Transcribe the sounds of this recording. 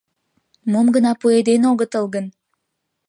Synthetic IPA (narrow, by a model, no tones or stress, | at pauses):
momɡənɑpued̪enoɣət̪əlɣən